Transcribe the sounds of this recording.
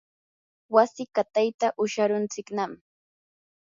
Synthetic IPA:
wasɪkat̪ajt̪aʔʊʃaɾʊnt͡sɪknam

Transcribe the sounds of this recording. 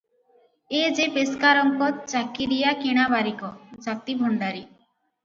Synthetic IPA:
ed͡ʒepeskaɾɔŋkɔt͡ʃakiɾijakiɽ̃abaɾikɔd͡ʒat̪ibʱɔɳɖaɾi

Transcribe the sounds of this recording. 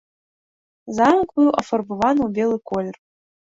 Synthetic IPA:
zamkʷʼuuʔafarbɨvanbʲelˠɨkʰolʲer

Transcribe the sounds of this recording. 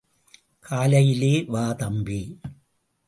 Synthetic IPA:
kʰaːlɐjileːʋaːðɐmbi

